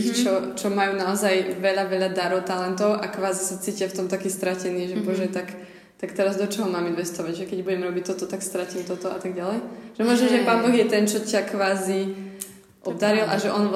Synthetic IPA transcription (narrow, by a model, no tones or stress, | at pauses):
t͡ʃɔt͡ʃɔmajuːnaɔzajʋɛʎaʋɛʎad̪aɾɔʊt̪alɛnt̪ɔʊʔakʋaːzisat͡siːcɪaft̪ɔmt̪akiːst̪ɾacɛniːʒɛbɔʒɛt̪ak | t̪akt̪ɛɾazd̪ɔt͡ʃɔɦɔmaːminʋɛst̪ɔʋaɟʒɛkɛɟbuɟɛmɾɔbic̚t̪ɔt̪ɔt̪akst̪ɾaciːmt̪ɔt̪ɔa̰t̪aɡɟalɛjʒ̥ɛmɔʒnɛʒɛpaːnbɔɣjɛt̪ɛnt͡ʃɔcakʋaːzi | ʔɔbd̪aɾilʔa̰ʒɛʔɔn